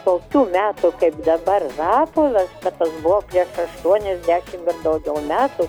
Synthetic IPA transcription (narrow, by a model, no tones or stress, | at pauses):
t̪oːkʲuːmʲæːt̪ʊkɐɪpd̪ɐbɐrrɑːpolʲˠɐskɐt̪t̪ːɐsbʊʋoːpʲɾʲiɛʃɐʃt̪uɔnʲɛzʲd̪ʲæːʃʲɪmɪrd̪ɐʊɡʲɛʊmʲæːt̪u